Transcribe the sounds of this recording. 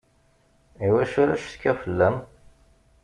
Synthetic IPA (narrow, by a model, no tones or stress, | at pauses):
iwæʃʊɾæ̰ʃθkːæfəlːæm